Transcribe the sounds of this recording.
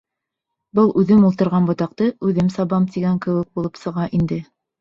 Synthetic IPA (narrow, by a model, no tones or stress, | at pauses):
bɤlˠʉðɘmulˠt̪ɤ̆ɾʁɑnbŏt̪ɑq̚t̪ɤʉðɘmsɑβɑmt̪iɡæŋkɘ̆wɘk̚bulˠɤpsɤ̆ʁɑʔind̪ɘ